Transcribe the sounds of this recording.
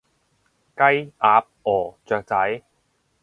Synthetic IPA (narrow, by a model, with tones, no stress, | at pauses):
kɐ˥jʔaː˧p̚ɔː˨˩t͡sœː˨˧k̚t͡sɐ˨˥j